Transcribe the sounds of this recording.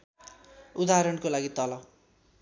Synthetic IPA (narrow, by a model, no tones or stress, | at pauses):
ud̪aɾʌnkolaɡit̪ʌlʌw